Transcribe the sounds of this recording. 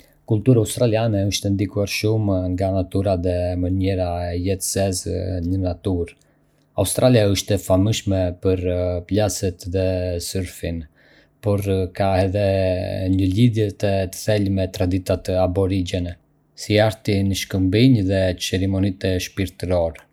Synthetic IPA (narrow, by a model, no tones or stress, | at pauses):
kult̪uɾaust̪ɾalianɛəʃt̪ɛnd̪ikuaɾʃumŋɡanat̪uɾaðɛməɲɛɾaɛjɛt̪zɛznənat̪uɾ | a̰ust̪ɾʔaliaəʃt̪ɛfamiʃmɛpəɾplasɛt̪ðɛsəɾfin | pɔɾkaɛðɛɲəliðjɛt̪ɛt̪ə̥θɛlmɛt̪ɾad̪it̪at̪abɔɾid͡ʒɛnɛ | siaɾt̪inəʃkəmbiɲðɛt͡sɛɾimɔnit̪ɛʃpiɾt̪ɾɔɾɛ